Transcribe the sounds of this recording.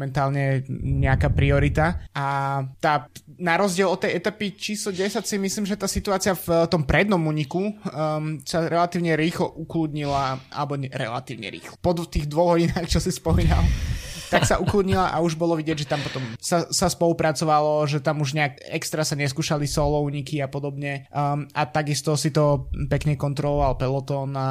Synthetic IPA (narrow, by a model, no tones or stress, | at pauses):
mɛnt̪aːlɲɛɲɛakaːpɾiɔɾit̪aat̪aːnaɾɔzɟɪɛlˠɔt̪ːɛjɛt̪apit͡ʃiːslɔɟɛsacsimisliːmʒɛt̪aːsit̪uaːt͡siaft̪ɔmpɾɛd̪nɔmuːɲiku | saɾɛlat̪iːʊɲɛɾiːxlɔʔuklud̪ɲilaʔa̰lɛbɔɲɛɾɛ̰la̰t̪iːʊɲɛ̰ɾḭːxlɔpɔt̪iːɣd̪ʋɔɣɦɔɟinaːxt͡ʃɔsispɔmiːna̰lˠt̪aksaʔuklud̪ɲilaʔauʒbɔlɔʋiɟɛɟʒɛt̪ampɔt̪ɔmsasaspɔlupɾat͡sɔʋalɔʒɛt̪amuʒɲɛakɛkst̪ɾasaɲɛskuːʃalisɔlɔuːɲikiapɔd̪ɔbɲɛat̪aɡist̪ɔsit̪ɔpɛkɲɛkɔnt̪ɾɔlɔʋalpɛlɔt̪ɔːn